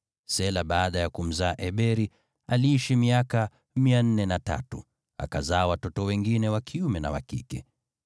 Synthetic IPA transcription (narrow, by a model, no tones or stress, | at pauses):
sɛlaɓaːɗajakum̩zaːʔɛɓɛɾi | aliiʃimiaka | mian̩nɛnata̰tu | a̰kazaːwatɔtɔwɛŋɡinɛwakʰiumɛna̰wa̰kḭkɛ̰